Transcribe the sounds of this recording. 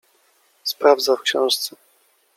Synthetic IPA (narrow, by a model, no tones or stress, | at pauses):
spɾavd̪zafkɕɛ̰̃w̃ʂt̪sɛ